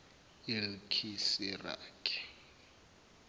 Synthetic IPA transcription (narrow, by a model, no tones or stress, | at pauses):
ilkʰisira̰ːkʰʼɛ̥